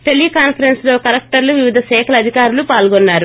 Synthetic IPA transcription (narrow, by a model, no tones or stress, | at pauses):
ʈelːikaːnpʰɐɾenslo̞ːkɐɾɐk̚ʈɐɾluʋiʋid̪ʱɐʃɛːkʰɐlɐd̪ʱikaːɾulupaːlɡɔnːaːɾu